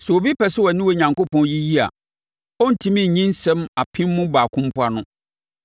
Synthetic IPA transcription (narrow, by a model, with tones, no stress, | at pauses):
sɛ˨o˨bi˦pɛ˨sɪ˦wɔ˨nɪ̃˦wo˨ɲã˨ŋko˦pɔ̃˨nji˦ji˦a̰˨ | ɔ˦n̩˨tʰĩ˦mĩ˦˨ɲĩ˦n̩˦sɛ̃˦ma˨pʰɪ̃˦mːʊ̃˦baː˨kʰʊ̃˦m˦pʰʊ˦a˨nʊ̃˦